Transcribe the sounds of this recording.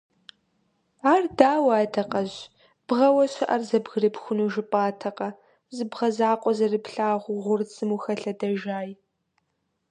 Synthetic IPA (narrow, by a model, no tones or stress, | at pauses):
aːrdaːwaːtʰɐqɐʑ | b̥ʁɐwɐɕɐʔɐrzɐbɣɨrɨpxʷʊnuːʒɪpʼaːtʰɐqɐ | zɨbʁɐzaːqʷʼɔzɐrɨpɬaːʁʷʊʁʷʊrt͡sʼɨmuxɐɬɐdɐʒaːj